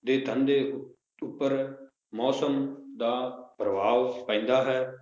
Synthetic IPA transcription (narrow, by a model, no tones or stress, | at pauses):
d̪eːt̪ʰə̃nd̪eː | ʊpːəɾ | mɔːsəmd̪aːpɾəbʱaːʋpãĩːnd̪aːɦɛː